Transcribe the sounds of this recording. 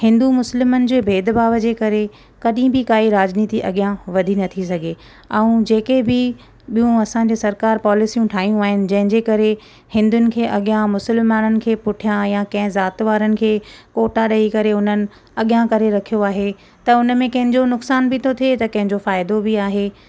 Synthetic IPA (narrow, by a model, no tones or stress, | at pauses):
hɪ̃nd̪umʊslɪmənɪ̆d͡ʑeːbʱeːd̪baːʋəd͡ʑeːkɐɾe | kɐɗĩbʱɪkaːiɾaːd͡ʑniːt̪iʔɐɠjãʋɐd̪ʱinɐt̪ʰisɐɡʱe | ɐũd͡ʑeːkebʱɪ | ɓijũɐsãɲ̆d͡ʑesɐɾkaːɾpaːlɪsijũʈʰaːɦijũaːɦɪnɪ̆d͡ʑɐ̃ɦɪ̃ɲd͡ʑeːkɐɾe | hɪ̃nd̪ʊnɪ̆kʰeːʔɐɠjãmʊsəlmaːnənɪ̆kʰeːpʊʈʰijãjãkɐ̃ɦɪ̃zaːt̪ʋaːɾənɪ̆kʰeːkoːʈaɗɐikɐɾeʊn̤ənɪ̆ | ɐɠjãkɐɾeɾɐkʰijoaːɦe | t̪ɐʊnəmẽkɐ̃ɦɪ̃ɲd͡ʑonʊksaːnbɪt̪ʰot̪ʰiet̪ɐkɐ̃ɦɪ̃ɲd͡ʑofaːɪd̪obiaːɦeː